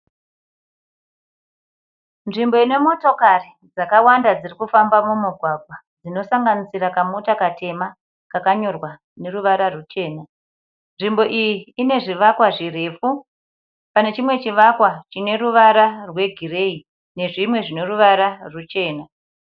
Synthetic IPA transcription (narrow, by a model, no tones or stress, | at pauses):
nʐimboine̞mo̞to̞kari | d͡zakawandad͡zirikufambamumuɡʱwaɡʱwa | d͡zino̞saŋɡanisirakamutakatʰe̞ma | kakaɲo̞rwa | ne̞ruʋaɾarut͡ʃe̞ːna | nʐimbo̞ʔijiːne̞ʐiʋakwaʐire̞ːfu | pane̞t͡ʃimwe̞t͡ʃiʋakwat͡ʃine̞ruʋaɾarwe̞ɡʱire̞i | ne̞ʐimwe̞ʐine̞ruʋaɾarut͡ʃe̞ːna